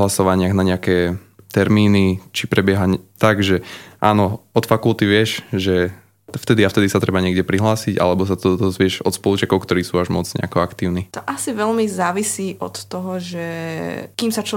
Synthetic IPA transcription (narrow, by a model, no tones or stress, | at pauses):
ɦlasɔʋaɲɪaɣnaɲɛakɛː | t̪ɛɾmiːnit͡ʃipɾɛbɪɛɦaɲt̪aɡʒɛʔaːnɔɔt̪fakulˠt̪iʋɪɛʃʒɛ | ft̪ɛd̪iaft̪ɛd̪isat̪ɾʔɛbaɲɪɛɡɟɛpɾiɦlaːsiɟa̰lɛbɔs̬at̪ɔd̪ɔzʋɪɛʃɔt̪spɔlut͡ʃɛkɔʊkt̪ɔɾiːsuːaʒmɔd͡zt͡sɲɛ̰akɔakt̪iːʊnit̪ɔʔasiʋɛlmizaːʋisiːʔɔ̰t̪ːɔɦɔʒɛkiːmsat͡ʃ